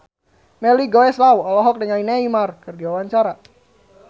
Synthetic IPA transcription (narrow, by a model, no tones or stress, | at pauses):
mɛliɡowɛslawɔlɔɦɔk̚dəŋaineimarkɨrdiwawaɲt͡ʃaɾa